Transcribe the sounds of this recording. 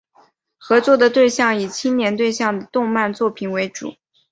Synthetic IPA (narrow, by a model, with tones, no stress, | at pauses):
xɤ˧˥t͡swɔ˥˩d̪ə˩t̪we˥˧ɪɕjɑ˥˩ŋi˨˩t͡ɕʰi˥nnjɛ˧˥nt̪we˥˧ɪɕjɑ˥˩ŋd̪ə˩t̪ʊ˥˧ŋma˥˧nt͡swɔ˥˩pʰi˨˩nwe˧˥ɪʈ͡ʂṵ˨˩˦